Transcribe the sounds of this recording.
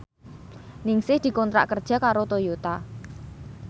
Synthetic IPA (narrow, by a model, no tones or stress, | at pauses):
nɪŋsɪhd̪̥i̤kɔnt̪ɾa̰ʔkərd̥ʒ̥a̤kaɾot̪ojut̪a